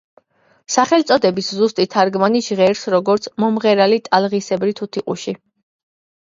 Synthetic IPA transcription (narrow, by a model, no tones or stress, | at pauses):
saχɛlt̪sʼɔd̪ɛbiszust̪ʼit̪ʰːaɾɡmaniʒʁɛɾsɾɔɡɔɾt̪sʰmɔmʁɛɾalit̪ʼalʁisɛbɾit̪ʰut̪ʰiqʼṵʃi